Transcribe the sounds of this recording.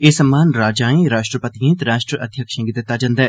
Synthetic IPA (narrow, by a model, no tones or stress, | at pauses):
eːsəmːaːnɾaːd͡ʒãːẽɾaːʃʈɾəpət̪iẽːt̪ɾaːʃʈɾəʔəd̪ʱjəkʃə̃ŋɡɪd̪ɪt̪ːaːd͡ʒãːnd̪aɛː